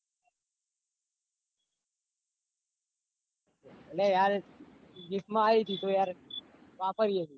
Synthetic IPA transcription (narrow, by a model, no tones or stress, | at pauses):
əlajaɾ | ɡismaːit̪ʰiːt̪ojaɾ | ʋapəɾijet̪i